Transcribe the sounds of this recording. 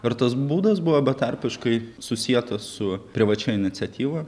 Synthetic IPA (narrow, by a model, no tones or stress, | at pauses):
ɪɾt̪ɐsbuːd̪ɐsbʊʋɐbʲɛt̪ɐɾʲpʲɪʃkɐɪsʊsʲiɛt̪ɐssʊpʲɾʲɪʋɐt͡ʃʲɛːɪnʲɪt̪sʲɛt̪ʲiːʋoː